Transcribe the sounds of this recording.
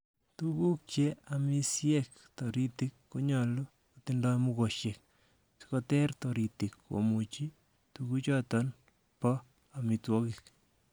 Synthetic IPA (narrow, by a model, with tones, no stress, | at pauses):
tuku˦k̚t͡ʃeami˦sjɛk | tɔ˨ɾitikːo˦ɲɔ˨lo˦ | kotindɔ˦mu˦ko˨ʃe˨k | skotɛ˦ɾtɔɾi˨ti˨kːo̰mut͡ʃi˦ | tuku˦t͡ʃɔ˦tɔn | pɔ˦ | a˨mitwɔ˦kɪ˨k̚